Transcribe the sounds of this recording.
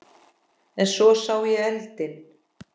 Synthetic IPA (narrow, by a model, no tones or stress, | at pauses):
ɛnsɔsaːwjɛɛlt̪ɪn